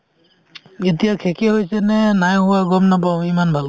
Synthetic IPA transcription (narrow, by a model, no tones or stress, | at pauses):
etijakʰekɛɦojsɛnɛnajɦʊwaɡɔmnap̬aʊ̃imanbʱal